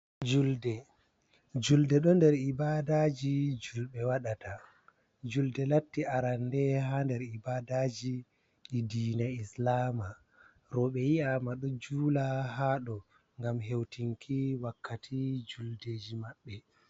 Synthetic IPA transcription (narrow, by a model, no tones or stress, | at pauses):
d͡ʒuldɛ | d͡ʒuldɛɗɔndɛɾibadad͡ʒid͡ʒulɓɛwaɗatʰa | d͡ʒuldɛlatːiʔaɾandɛɦandɛɾibadad͡ʒiː | diːnaislaːma | ɾɔɓɛjiamaɗɔd͡ʒuːlahaːɗɔ | ŋɡamɦewtiŋkʰiwakʰːatʰid͡ʒuldeːd͡ʒimaɓːɛ